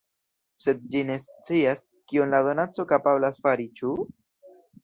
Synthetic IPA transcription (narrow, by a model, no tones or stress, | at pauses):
se̞d̪̚d͡ʒine̞st͡sias | kionlado̞nat͡so̞kapablasfaɾit͡ʃu